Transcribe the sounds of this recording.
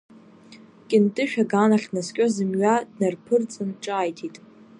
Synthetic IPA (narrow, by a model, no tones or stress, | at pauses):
kʲʼɪntʼɨʃᶣaɡaːnaχʲnaskʲʼozɨmɥadnɨrpʰɨrt͡sʼɨnʈ͡ʂʼaːjtʰitʼ